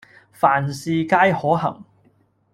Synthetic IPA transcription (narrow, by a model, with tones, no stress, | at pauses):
faː˨˩nsiː˨kaː˥jhɔː˨˥ɦɐ̰˨˩ŋ